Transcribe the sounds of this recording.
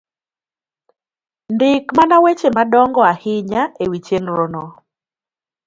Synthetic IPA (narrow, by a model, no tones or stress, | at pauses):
ndɪkmanawet͡ʃemadɔŋɡɔahɪɲaewit͡ʃenɾɔnɔ